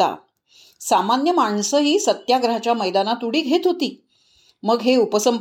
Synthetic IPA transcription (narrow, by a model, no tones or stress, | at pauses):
a̰ | samanjəmaɳsəɦiːsət̪jaɡɾəɦat͡ɕjaməjd̪anat̪uɽiːɡʱet̪ɦot̪iː | məɡɦeupəsəm